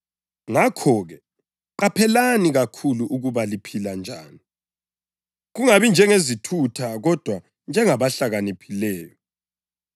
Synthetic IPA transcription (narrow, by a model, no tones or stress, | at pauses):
ŋakʰɔɣɛ | ǃapʰɛlaniɣakʰuluʔuɣuβalipʰiland͡ʒʱa̰ːni | ɣuŋaβind͡ʒʱɛŋezitʰutʰaɣɔd̥ʱwa | nd͡ʒʱɛŋaβaɬaɣanipʰilɛːjɔ